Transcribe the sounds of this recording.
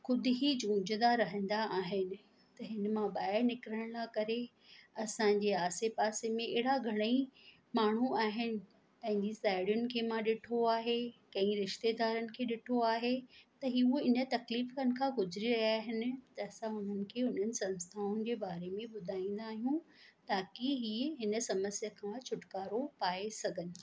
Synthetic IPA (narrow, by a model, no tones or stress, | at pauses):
xʊd̪ʱʊɦid͡ʑũːd͡ʑnd̪aɾɐɦə̃n̆d̪aʔːɦɪnɪ̆ | t̪ɐɦɪn̆mãɓaːɪɾnɪkɾəɽ̃lakɐɾe | ɐsãɲd͡ʑeːaːsepaːsemẽɪːɽaɡʱɐɽ̃əi | maːɳ̤uaːɦɪnɪ̆ | pɐ̃ɦɪ̃ɲd͡ʑisaːɪɽjʊnɪ̆kʰeːmãɗɪʈʰoaːɦekɐ̃ĩɾɪʃt̪ed̪aːɾənɪ̆kʰeːɗɪʈʰoaːɦet̪ɐɦioɪnə̆t̪ɐkliːfkənɪ̆kʰãːɡʊzɾiɾɐɦiaːɦɪnɪ̆t̪ɐːsãʊn̤ənɪ̆kʰeːʊn̤ənɪ̆sɐ̃nst̪ʰaːʊnɪ̆d͡ʑeːbaːɾemẽɓʊd̪ʱaːĩːn̆d̪aːɦijũt̪aːkiɦiːɦɪnə̆sɐməsijəkʰãt͡ɕʰʊʈkaːɾopaːesɐɡʱənɪ̆